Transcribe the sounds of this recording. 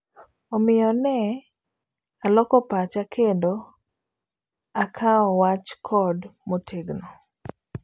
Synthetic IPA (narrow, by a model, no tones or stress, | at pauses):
ɔmɪjɔnɛ | alɔkɔpat͡ʃakʰendo | akʰaɔwat͡ʃkʰɔdmotʰeɡnɔ